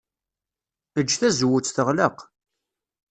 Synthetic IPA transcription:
əd͡ʒːθæzwʊt͡sːθəʁləq

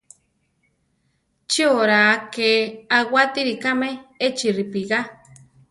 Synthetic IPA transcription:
t͡ʃioɾakeawat̪iɾikameet͡ʃiripiɣa

